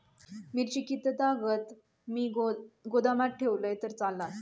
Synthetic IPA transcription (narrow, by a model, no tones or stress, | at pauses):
miɾt͡ɕikit̪ət̪aɡət̪ | miːɡod̪amaʈ̚ʈʰeʋləjt̪əɾt͡salːat̪